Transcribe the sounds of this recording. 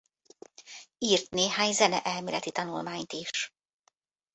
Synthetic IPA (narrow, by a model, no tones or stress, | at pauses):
iːrt̪neːɦaːɲzɛnɛ̰ʔɛlmiːlɛt̪it̪ɒnulmaːɲt̪iʃ